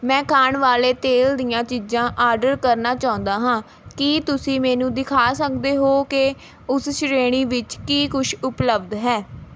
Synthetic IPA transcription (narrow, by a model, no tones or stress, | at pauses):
mɛ̃ːkʰaːɳʋaːleːt̪eːld̪ijãːt͡ʃiːd͡ʒãːʔaːɾɖəɾkəɾnaːt͡ʃaːʊ̃nd̪aːɦãː | kiːt̪ʊsĩːmɛːnũːd̪ɪkʰaːsəkd̪eːɦoːke | ʊsʃɾeːɽ̃iːʋɪt͡ʃkiːkʊʃʊpləbd̪ɦɛː